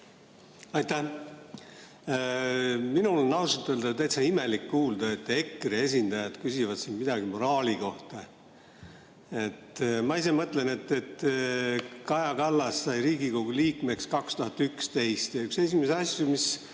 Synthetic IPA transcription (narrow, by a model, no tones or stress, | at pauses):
ɑjt̪ːæh | minulonːɑwsut̪ːˑeld̪̥ɑt̪æjt̪sɑime̞likːuːld̪̥ɑe̞t̪ːˑe̞kːrie̞sʲind̪ɑjɑd̪̥kysivɑd̪̥sinmid̪̥ɑɡimo̞ɾɑːliko̞ht̪ɑ | e̞t̪ːˑmɑis̬e̞mɤt̪lene̞t̪ːˑet̪ː | kɑjɑkɑlːɑsːɑjɾiːɡiko̞ɡ̥uliːkme̞kskɑkst̪uhɑt̪ːykst̪e̞jst̪jɑykse̞simeseɑsʲjumis